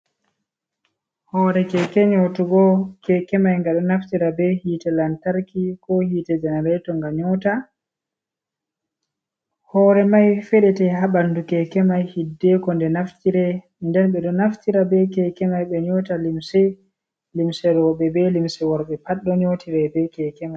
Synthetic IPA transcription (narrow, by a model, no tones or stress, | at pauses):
hɔɾɛkɛkɛɲotuɡɔkɛkɛmajŋɡaɗɔnaftiɾabɛhiːtɛlantaɾkikɔhiːtɛd͡ʒɛnɛɾɛtɔŋɡaɲɔta | hɔːɾɛmajfɛɗɛtɛɦaɓandukɛkɛmajhidːɛkɔndɛnaftiɾɛ | ndɛnɓɛɗɔnaftiɾabɛkɛkɛmajɓɛɲɔtalimsɛ | limsɛɾɔɓɛbɛlimsɛwɔɾɓɛpaɗːɔɲotʰiɾɛbɛkɛkɛmaj